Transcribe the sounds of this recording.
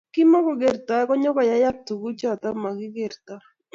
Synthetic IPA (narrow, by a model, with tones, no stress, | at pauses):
kɪ˦mɔ˦kɔ˨ɡe˨ɾt̪a˨ɛ˦kɔ˦ɲɔ˦ka˨ja˦ja˦t̪u˨ku˦t͡ʃɔ˦˨t̪a˦ma˨ɡɪ˦ɡɪ˨ɾt̪a˦